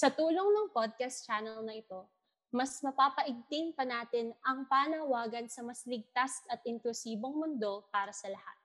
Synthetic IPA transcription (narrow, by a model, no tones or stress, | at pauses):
sɐt̪uːloŋnɐŋpod̪̚kɐst̪̚t͡ʃaːnɛlnɐʔɪt̪o̞ | mɐsmɐpaːpɐʔɪɡ̚t̪ɪŋpɐnaːt̪ɪnʔɐŋpaːnɐwaːɡɐnsɐmɐslɪɡ̚t̪asɐt̪̚ʔɪnt̪usiːbo̞ŋmʊnd̪o̞paːɾɐsɐlɐha̰t̪̚